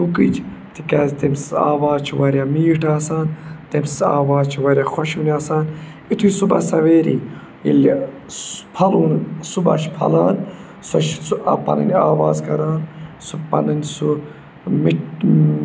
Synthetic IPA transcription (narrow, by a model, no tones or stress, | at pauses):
t̪ukid͡ʒt̪ikazt̪emsa̰ːwaːzt͡ʃʰiwɐɾʲjamiːʈaːsaːnt̪emsa̰ːwaːzt͡ʃʰiwɐɾʲjaxɐʃunaːsaːn | it̪ʰujsubɐ̰sɐʋeːɾḭ | ḭl | pʰɐluːnsubɐ̰ʃʰpʰɐ̰laːn | sɐt͡ʃupɐ̰nɨ̰nʲa̰ːwaːzkɐɾaːnsupɐ̰nɨnsu | miʈ